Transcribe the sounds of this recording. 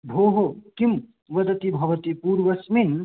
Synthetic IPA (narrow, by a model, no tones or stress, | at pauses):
bʱoːɦokim | ʋɐd̪ɐt̪ibʱɐʋɐt̪ipuːɾʋɐsmin